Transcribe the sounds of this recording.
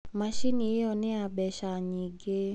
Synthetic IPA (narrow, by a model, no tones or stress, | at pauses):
maʃinijeɔnɪabɛʃaɲiɡe